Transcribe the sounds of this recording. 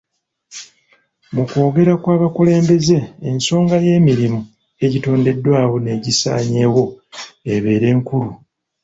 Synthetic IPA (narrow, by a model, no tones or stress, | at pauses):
mukwo̞ːɡe̞ɾakwaːβakule̞ːmbe̞ze̞ːnso̞ːŋɡaje̞ːmiɾimu | e̞ɟito̞ːnde̞dːwaːβo̞ne̞ːɟisa̰ːɲe̞ːwo̞eβe̞ːɾe̞ːŋkulu